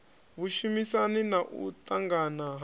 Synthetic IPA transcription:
βuʃumisaninaʔṵtʼaŋɡanaɦ

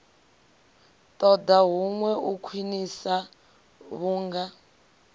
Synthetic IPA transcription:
tʼɔdaɦuŋwɛukʰwinisa | βuːŋɡa

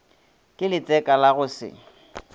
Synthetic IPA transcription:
kʼɪlɪt͡sʼɛkʼalaɣʊsɪ̰

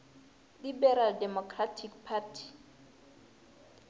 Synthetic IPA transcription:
libɛɾaldɛmɔkʰratʰikpʰatʰi̥

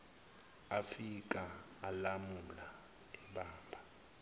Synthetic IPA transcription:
afik̬aː | lamula | ɛɓaːmbʱa

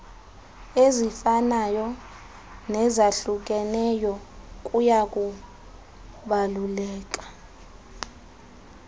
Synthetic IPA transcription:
ezifanajɔ | nɛzaɬuk̬ʼɛnɛjɔkʼujakʼu | ɓalulɛːk̬ʼḁ

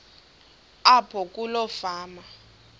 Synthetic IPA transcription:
apʰɔk̬ʼulɔfaːma

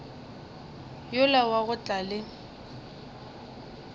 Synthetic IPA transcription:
jʊlawaɣʊt͡ɬʼalɪ

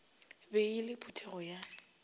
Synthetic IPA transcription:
beɪlɪpʰutʰɛɣɔja

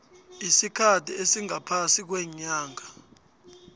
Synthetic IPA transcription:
isikʰatʰiesiŋʱapʰasik̬wɛɲaːŋʱa

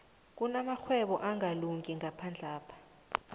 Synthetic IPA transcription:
k̬ʼunamaxʰwɛɓɔ̰ʔaŋʱaluŋkʼiŋʱapʰand͡ɮʱaːpʰḁ

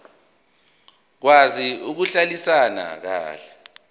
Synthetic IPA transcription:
k̬waziuk̬uɬalisana̰k̬a̰ːɬɛ

